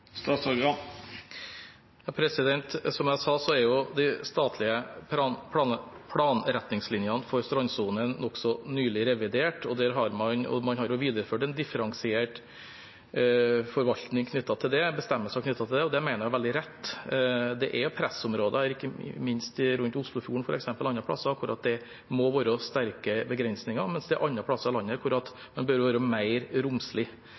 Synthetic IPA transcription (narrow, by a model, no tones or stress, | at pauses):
st̪ɑːt̪sɔɾɡɑ | jɑːpʰɾɛsɪd̪ɛnt̪sɔmæɪsɑːsɔæɾjʊd̪æɪst̪ɑːt̪ʰlɪəpːpʰlpʰlɑːnɾɛt̪nɪŋslɪnjɑnfɔɾst̪ɾɔnsuːnənnɔksɔnyːlɪɾɛʋɪd̪eːʈɔd̪æɾɦɑɾmɑnɔ̰mɑnhɑɾjʊʋiːd̪əɾəføːʈɛnd̪ɪfəɾɑŋsɪeːʈ | fɔɾʋɑlt̪nɪŋkʰnʏt̪ːɑt̪ʰɪld̪ɛbəst̪ɛmːəʂæɔknʏt̪ːɑt̪ʰɪld̪ɛɔd̪ɛmæɪəɾjæʋɛld̪ɪɾɛt̪ːd̪ɛʔɛpʰɾɛsɔmɾoːd̪əæɾɪkːə̰mɪnst̪ɪɾʉnt̪ʊslʊfjuːəɳ̩fɔɾɛ̰ksɛmpəlɑnːɑpʰəlɑ̰sːəkʰʊɾʔɑ̰t̪̚d̪ɛ | mɔʋɑːɾɔst̪æɾkəbəɡɾɛnsnɪŋɑɾmɛnsd̪ɛæʔɑnːɑpʰɽɑsːɑɾɑlɑnːəkʰʊɾɑt̪ | mɑnbœɾʋɑːɾəmæɪɾɾʊmslɪ